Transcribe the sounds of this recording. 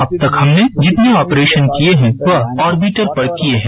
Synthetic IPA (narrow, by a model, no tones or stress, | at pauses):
ɐb̚t̪ɐkhɐmned͡ʒɪt̪neɔːpɾeːʃənkieɦɛ̃ʋɐɦɔːɾbiʈəɾpɐɽkieɦɛ̃